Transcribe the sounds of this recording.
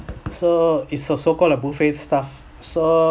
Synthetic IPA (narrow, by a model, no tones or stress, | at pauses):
soitsɔsokɔlɛbufetstaf | so